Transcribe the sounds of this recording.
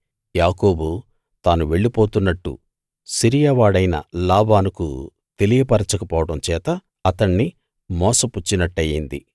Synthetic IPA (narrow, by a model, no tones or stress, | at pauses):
jaːkoːbu | t̪aːnuʋe̞ɭːipoːt̪unːɐʈːṵ | siɾijaʋaːɽɐjnɐ̰laːbaːnukṵ | t̪e̞lijɐpɐɾɐt͡ʃɐkɐpɔːʋɐɽɐmt͡ʃɛːt̪ɐː | t̪ɐɳːi | mɔːsɐput͡ʃːinɐʈːɐjind̪ḭ